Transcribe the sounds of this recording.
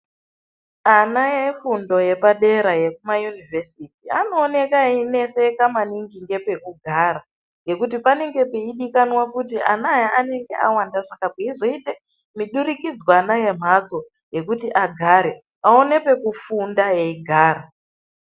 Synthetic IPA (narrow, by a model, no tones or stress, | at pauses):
anajefundo̞je̞paɗe̞ɾaje̞kumajunivesitiano̞ːne̞kaine̞se̞kamaniŋɡiŋɡe̞pe̞kuɡʱaɾa | ŋɡe̞kutipane̞ŋɡe̞peiɗikanwakut̬iʔanajaʔane̞ŋɡe̞̰ʔawandasakakeizoite | miɗuɾikid͡zwanaje̞m̤ad͡zo̞ | je̞kutiʔaɡʱaɾe̞ | ao̞ne̞pe̞kufundaje̞iɡʱaːɾa